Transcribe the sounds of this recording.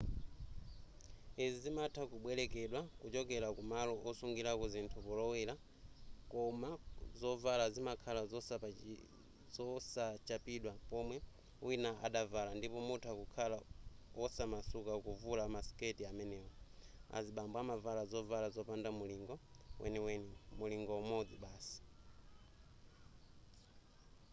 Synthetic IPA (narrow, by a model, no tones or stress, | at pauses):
izizimatʰakuɓwɛlɛkɛɗwakut͡ʃɔkɛɾakumalɔʔɔsuŋɡiɾakuzintʰupulɔwɛla | kɔmazɔvalazimakʰalazɔs | zɔsat͡ʃapiɗwapɔmwɛ | winaaɗavalandipɔmutʰuakukʰalaɔsamasukakuvulamasketiamɛnɛːwɔa̰ziɓambwamavalazɔvalazɔpandamuliŋɡɔ | wʔɛ̰niwɛnimuliŋɡɔmɔd͡ziɓaːsi̥